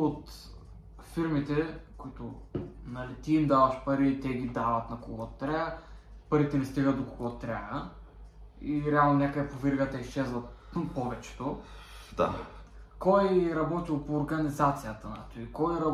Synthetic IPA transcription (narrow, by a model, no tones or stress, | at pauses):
ot̪ | fiɾmit̪ɛkoit̪ʊnɐlit̪iːmd̪avɐʃpɐɾiːt̪ɛɡid̪avɐt̪nɐkoɡɔt̪ːɾʲaəpɐɾit̪ɛnɛst̪iɡət̪̚d̪okoɡɔt̪ɾʲaə | iɾɛalˠnonʲakəd̪ɛpovʲiɾɡət̪ɐiʃt͡ʃɛzvəpɔvɛt͡ʃɛ̥t̪o | d̪a̰ | kɔjɾɐbɔt̪ilˠpoːɾɡɐnizat̪sijət̪əna̰t̪oikɔjɾɐ